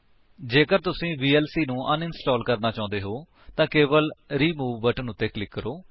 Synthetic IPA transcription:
d͡ʒeːkəɾt̪ʊsĩːʋiːɛːlsiːnũːʔənɪnsʈɔːlkəɾnaːt͡ʃãːʊ̃nd̪eːɦoː | t̪ãːkeːʋəlɾiːmuːʋːəːʈənʊt̪ːeːklɪkːəɾoː

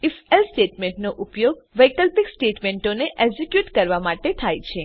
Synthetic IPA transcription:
ifelsʈeʈmẽɳʈnoʔupjoɡʋəjkəlpiksʈeʈmẽɳʈoneʔeɡzikjuʈkəɾʋamaʈet̪ʰajt͡ʃʰe

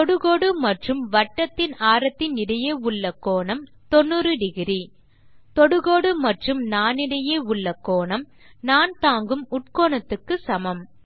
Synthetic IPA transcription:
t̪ɔɽɯɣoːɽɯmɐʈrɯmʋɐʈːɐt̪ːɪnaːɾɐt̪ːɪnɪɽɐjeːʊɭːɐkːoːɳɐm | t̪ɔnːɯrɯɖɪɣɪɾi | t̪ɔɽɯɣoːɽɯmɐʈrɯmnaːnɪɽɐjeːʊɭːɐkːoːɳɐm | naːnt̪aːŋɡɯmʊʈ̚koːɳɐt̪ːɯkːɯsɐmɐm

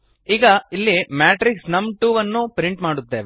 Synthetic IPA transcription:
iːɡɐilːimaːʈɾiksnɐmʈuːʋɐnːupɾiɳʈmaːɽut̪ːeːʋe

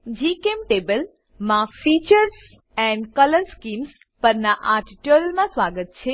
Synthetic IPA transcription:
d͡ʒikemʈebəl | mãfit͡ʃəɾs | ɛ̃ɳɖkələɾskims | pəɾnaʔaʈiʈjollmãsʋaɡət̪̚t͡ʃʰe

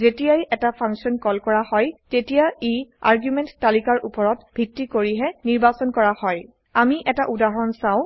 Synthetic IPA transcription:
zetijajʔɛtapʰãŋksiɔnkɔlkɔɹahɔjtetijaia̰ɹɡjumɛ̃ntːalikaɹʔupɔɹɔtb̥ʱitːikoɹiɦɛniɹbasɔnkɔɹahɔj | amiʔɛtaʔudaɦɔnsãʊ̃

